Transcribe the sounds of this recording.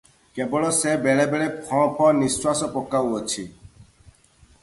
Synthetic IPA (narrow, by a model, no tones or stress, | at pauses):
kebɔɭɔsebɛɭebɛɭepʰɔpʰɔ̃niswasɔpɔkːawət͡ɕʰi